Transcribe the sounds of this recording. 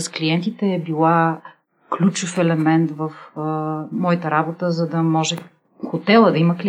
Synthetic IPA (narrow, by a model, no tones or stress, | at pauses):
skliɛnt̪it̪ɛːbilˠa | klʲut͡ʃofɛlɛmɛnt̪vɐf | mɔjt̪əɾabot̪əzɐd̪ɐmɔʒɛ | xot̪ɛlˠəd̪ɐimɐkl